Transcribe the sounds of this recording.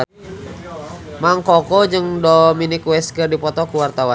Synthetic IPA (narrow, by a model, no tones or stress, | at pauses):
maŋkɔkɔd͡ʒəŋdɔminikwɛskərdipɔt̪ɔkuwart̪awan